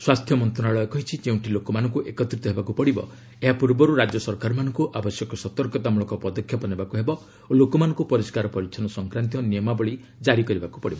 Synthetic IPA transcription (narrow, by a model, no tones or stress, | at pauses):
swast̪ʰjɔmɔnt̪ɾɔnaɭɔekɔɦit͡ʃʰid͡ʒeũʈilokɔmanɔŋkuʔekɔt̪ɾit̪ɔɦebakupɔɽibɔ̰ | eɦapuɾbɔɾuɾad͡ʒɔsɔɾkaɾɔmanɔŋkuʔabɔsjɔkɔsɔt̪ɔɾkɔt̪amuɭɔkɔpɔd̪ɔkʰjapɔnebakuɦebɔ | olokɔmanɔŋkupɔɾiskaɾɔpɔɾiksʰɔnɔsɔŋkɾant̪̬ijɔniɔmabɔɭi | d͡ʒaɾikɔɾibakupɔɽibɔ